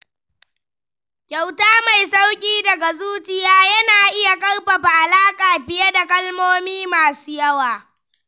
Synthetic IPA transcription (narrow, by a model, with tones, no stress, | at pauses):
kʲa˨wtaː˦ma˨jsa˦wkʲʼiː˦dɐ˨ɡa˨zuː˦t͡ʃɪ˨jaː˦jɐ˦naː˨ʔɪ˦ja˨kʼɐ˦rɸa˨ɸa˨ʔa˨laː˦kʼaː˨ɸɪ˦ja˦da˨kʼɐ˦lmoː˦miː˦maː˨suː˦jɐ˦waː˨